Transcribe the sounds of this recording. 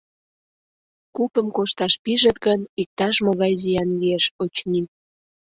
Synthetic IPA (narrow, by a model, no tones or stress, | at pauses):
kupəmkoʃt̪ɑʃpiʒət̪ɡənik̚t̪ɑʃmoɣɑjzijɑnlieʃot͡ɕni